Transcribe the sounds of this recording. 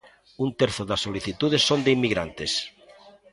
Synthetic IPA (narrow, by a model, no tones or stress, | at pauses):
unt̪eɾθoðasːoliθit̪uðesːond̪eimːiɣɾa̰nt̪es